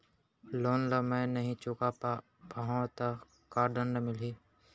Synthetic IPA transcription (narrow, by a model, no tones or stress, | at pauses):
loːnləmẽːnɐɦĩt͡ʃʊkapː | paɦãt̪a | kaːɾɖənːəmɪliː